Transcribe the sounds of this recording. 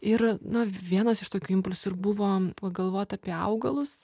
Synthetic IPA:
ɪɾnɐʋʲiɛnɐsɪʃt̪oːkʲuːɪmpʊlʲsʊɪrbʊʋoːɐɡɐlˠʋoːt̪ɑːpʲiɛɐ̰ʊɡɐlˠʊs

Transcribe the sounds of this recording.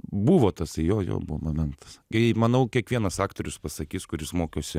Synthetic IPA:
buʋoːt̪ɐsɐjoːjo̰ːbʊʋomomʲɛnt̪ɐ̥sɡʲɐmɐnɐʊkʲiɛkʋʲiɛnɐsɑːkt̪oːɾʲʊspɐsɐkʲiːskʊɾʲɪsmoːkʲoːsʲɪ

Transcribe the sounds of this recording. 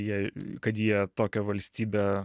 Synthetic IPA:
jiɛkɐt̪jiɛt̪oːkʲɛʋɐlʲsʲt̪ʲiːbʲe

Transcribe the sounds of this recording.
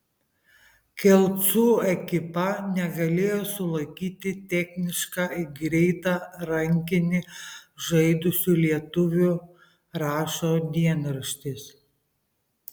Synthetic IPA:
kʲɛlˠt̪suːɛkʲɪpɐnʲɛɡɐlʲeːjoːsʊlˠɐɪkʲiːt̪ʲɪt̪ʲɛxʲnʲɪʃkɑːɪɡɾʲɛɪt̪ɑːɾɐŋʲkʲɪnʲɪʒɐɪd̪ʊsʲuːlʲiɛt̪ʊʋʲʊ | ɾɑːʃoːd̪ʲiɛnɾɐʃʲt̪ʲɪs

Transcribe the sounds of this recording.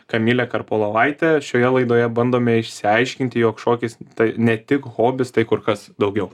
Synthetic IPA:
kɐmʲiːlʲɛkɐrpoːlˠɐʋɐɪt̪ʲɛʃʲoːjɛlˠɐɪd̪oːjɛbɐnd̪oːmʲeːɪʃʲsʲɪɐɪʃʲkʲɪnʲt̪ʲɪjoːkʃoːkʲɪst̪ɐɪnʲɛt̪ʲɪkɣoːbʲɪst̪ɐɪkʊrkɐsd̪ɐʊɡʲɛʊ

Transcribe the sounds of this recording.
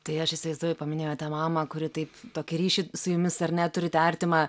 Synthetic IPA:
t̪ɐɪɐʃɪsʲɪʋɐɪzd̪oɔjɛpɐmʲɪnʲeːjoːt̪ɑːmɑːmɐkʊɾʲɪt̪ɐɪpt̪oːkʲɪɾʲiːʃʲɪsʊjʊmʲɪsɐɾnʲɛt̪ʊɾʲɪt̪ʲærʲt̪ʲɪmɑ

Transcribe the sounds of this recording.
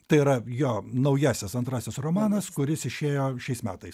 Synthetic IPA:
t̪ɐɪiɾɐjoːnɐʊjæːsʲɛsɐnt̪ɾɑːsʲɪsroːmɑːnɐskʊɾʲɪsɪʃʲeːjoːʃʲɛɪsmʲæːt̪ɐɪs

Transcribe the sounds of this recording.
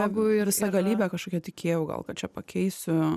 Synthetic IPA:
jɛɪɡʊɪɪsɐɡɐlʲiːbʲɛkɐʃkoːkʲɛt̪ʲɪkʲeːjɛʊɡɐ̰lˠkɐt̪t͡ʃʲɛpɐkʲɛɪsʲʊ

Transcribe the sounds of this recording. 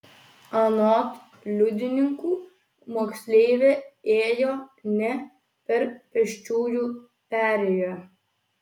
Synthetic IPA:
ɐnɔːt̪ | lʲʊd̪ʲɪnʲɪŋkuː | moːksʲlʲeːʋʲeeːjoːnʲɛ | pʲɛɾpʲɛʃt͡ʃʲuːju | pʲæːɾʲɛjo

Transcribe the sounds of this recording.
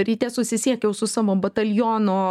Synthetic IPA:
ɾʲit̪ʲeːsʊsʲɪsʲiɛkjɛʊsʊsɑʋobɐt̪ɐlʲjoːnoː

